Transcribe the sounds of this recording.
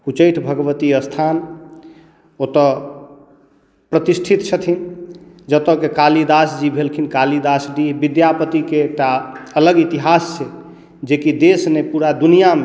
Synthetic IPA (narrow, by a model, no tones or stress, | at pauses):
ut͡ʃəʈʰbʱəɡʋət̪iəst̪ʰan | ot̪ɔ | pɾət̪isʈʰit̪t͡ʃʰət̪ʰin | d͡ʒət̪ə̃kekalid̪asd͡ʒibʱelkʰinkalid̪asɖibid̪japət̪ikekʈaələɡit̪iɦasːe | d͡ʒekid̪esnepuɾad̪unijame